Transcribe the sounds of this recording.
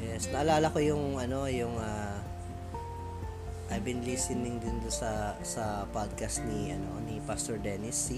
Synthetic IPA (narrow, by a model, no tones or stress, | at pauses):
jɛsnɐʔɐlaːlɐko̞jʊŋɐno̞jʊŋa | ʔɐbɪnliːsɪnɪŋd̪ɪnd̪ʊnsɐsɐpad̪̚kɐst̪niʔɐno̞̰nipast̪oɹd̪ɛːnɪs